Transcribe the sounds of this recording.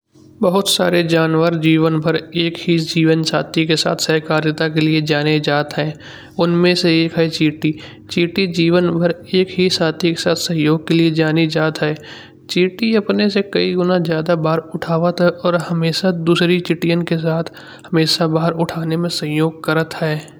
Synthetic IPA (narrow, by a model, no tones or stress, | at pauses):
bəɦʊt̪sa̰ːɾed͡ʒaːnʋəɾd͡ʒiːʋənbʱəɾeːkɦid͡ʒiːʋənsa̰ːt̪ʰikesa̰ːt̪ʰsəɦkaːɾjɪt̪ak̬elied͡ʒaːned͡ʒaːt̪ɦɛː | ʊnmẽseeːkɦɛt͡ʃiːʈi | t͡ʃiːʈid͡ʒiːʋənbʱəɾeːkɦisaːt̪ʰikesaːt̪ʰsə̃ɦjoːɡ̚kelied͡ʒaːnid͡ʒaːt̪ɦɛː | t͡ʃiːʈiɐpnesekəiɡʊnazjaːd̪abaːɾʊʈʰaːʋət̪ɦɛʔɔːɾɦɐmeːʃad̪uːsɾit͡ʃɪʈijə̃nkes̬aːt̪ʰ | hɐmeːʃabaːəɾʊʈʰaːnemẽsə̃ɦjoːɡ̚kəɾət̪ɦɛː